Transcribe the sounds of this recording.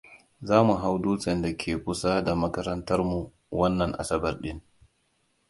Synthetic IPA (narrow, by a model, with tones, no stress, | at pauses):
zaː˦mu˨ɦa˦wduː˦t͡ʃɛ˨nda˨kʲʰeː˨kʷʊ˦sa˦da˨mɐ˦kɐ˦ɾɐ˦ntɐ˦rmu˨ | wɐ˦nːɐ˨ŋʔa̰˨sɐ˦bɐ˨rɗɪ˦n